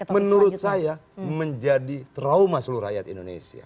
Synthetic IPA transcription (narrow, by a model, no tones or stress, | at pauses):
mənuɾʊt̪̚sajaməɲd͡ʒadit̪ɾaumasəluɾajat̪ḭndonḛsḭa̰